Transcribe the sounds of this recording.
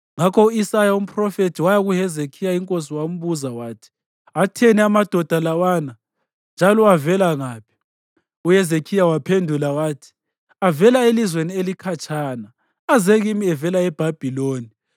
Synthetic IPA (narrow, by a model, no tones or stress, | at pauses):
ŋakʰɔuisajaum̩pʼrɔfetʰiwajaɣuhɛzekʰijaiŋkʼos̬iwam̩βuzawaːtʰi̥ | atʰɛnɛamad̥ʱɔd̥ʱalawana | nd͡ʒʱalɔavɛlaŋaːpʰi̥ | uhɛzekʰijawapʰendʱulawaːtʰi̥ | avɛlaelizwenielikʰat͡ʃʰʼaːna | azeɣimiɛvɛlaɛb̥ʱab̥ʱiloːni